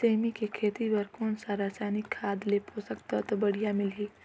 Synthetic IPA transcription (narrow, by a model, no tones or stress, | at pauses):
semikekʰeːt̪ibəɾkoːnsaɾasaːnɪkʰːaːd̪leposəkt̪ɔt̪ɔbəɽ̤ijamɪlɦiː